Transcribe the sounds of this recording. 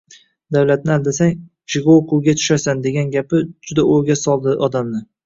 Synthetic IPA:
d̪awlat̪̚nɪalˠd̪asaŋ | t͡ʃʰɪɡooqʰʊwɡʲat̪ʰʊ̥ʃasand̪e̞ɡʲanɡʲapɪd͡ʒʊd̪aoɾɡʲasɒlˠd̪ɪʔɒd̪amnɪ

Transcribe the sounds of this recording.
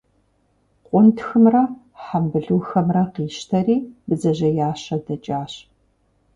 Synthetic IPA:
qʷʼʊntʰxɨmrɐ | ħambɨɮuːxɐmrɐqiːʃtʰɐriːbɨzɐʑɐjaːɕɐdɐt͡ʃʼaːɕ

